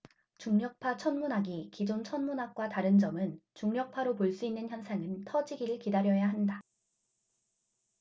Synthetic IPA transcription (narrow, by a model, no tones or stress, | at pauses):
t͡ɕuŋɲʌk̚pʰat͡ɕʰʌnmunɦaɡikid͡ʑont͡ɕʰʌnmunɦak̚k͈wataɾɯnd͡ʑʌmɯnt͡ɕuŋɲʌk̚pʰaɾopoɭs͈uinːɯnçjʌnsʰaŋɯntʰʌd͡ʑiɡiɾɯɭkidaɾjʌjaɦanda